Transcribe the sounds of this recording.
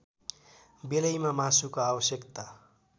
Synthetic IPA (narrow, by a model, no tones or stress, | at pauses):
belʌjmamasukoabʌsjʌkt̪a